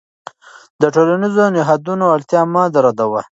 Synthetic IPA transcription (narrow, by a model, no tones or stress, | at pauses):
d̪əʈolanizonɪɦɑd̪unoalt̪jɑːmɑd̪aɾad̪awa